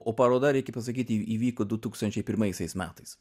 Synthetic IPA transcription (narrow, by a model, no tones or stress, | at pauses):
oːpɐɾoːd̪ɐɾʲɛɪkʲɛpɐsɐkʲiːt̪ʲiiːʋʲiːkoːd̪ʊt̪uːkst̪ɐnʲt͡ʃʲɛɪpʲɪɾmɐɪsʲɛɪsmʲæːt̪ɐɪs